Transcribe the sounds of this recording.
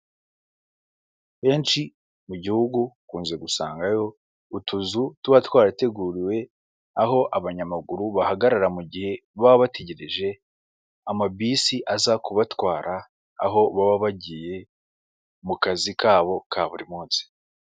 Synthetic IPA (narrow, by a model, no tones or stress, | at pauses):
βe̞ːnt͡ʃi | muɟihuɡukuːnze̞ɡusa̰ːŋɡajo̞ | utuzutuβatwaːɾate̞ɡuːɾiwe̞ | aɦo̞ʔaβaɲamaɡuɾuβahaɡaɾaɾamuɟihe̞βaββate̞ɟe̞ɾeʒe̞ | amabiːsiʔazakuβatwaːɾa̰ː | ɦo̞βaβaβaɟije̞ | mukazikaːβo̞kʰaːβuɾimuːnsi̥